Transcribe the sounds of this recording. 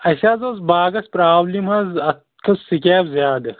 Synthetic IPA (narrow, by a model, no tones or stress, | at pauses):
ɐɕaːzɐzbaːɡɐspɾaːblimɐzɐt̪̚ | kʰɐsːikʲeːwzjaːd̪ɐ